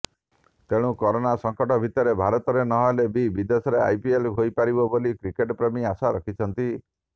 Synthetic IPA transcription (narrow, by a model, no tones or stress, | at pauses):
t̪eɽ̃ũkɔɾonasɔŋkɔʈɔbʱit̪ɔɾebʱaɾɔt̪ɔɾenɔɦɔɦelebibid̪esɔɾea̰jpielɦojpaɾibɔbolikɾikeʈpɾemiasaɾɔkʰit͡ʃʰɔnt̪i